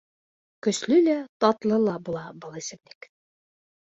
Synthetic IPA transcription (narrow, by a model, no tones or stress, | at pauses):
kɵ̆slɵlæt̪ɑt̪lˠɤlˠɑbulˠɑbɤlˠisɘ̆mlɘk